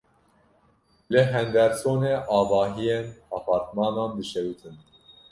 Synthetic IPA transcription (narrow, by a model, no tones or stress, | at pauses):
lɨɦɛnd̪ɛɾsoːneːʔɑːvɑːɦijenɑːpʰɑːɾt̪mɑːnɑːnbɨʃɛwut̪ʰɨn